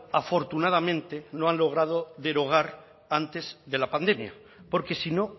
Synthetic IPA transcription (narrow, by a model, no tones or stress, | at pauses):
afo̞ɾt̪unað̞amẽ̞nt̪e̞noanlo̞ɣ̞ɾað̞o̞ðe̞ɾo̞ɣ̞aɾ | ant̪e̞zðe̞lapand̪e̞mja̰ | po̞ɾke̞sino̞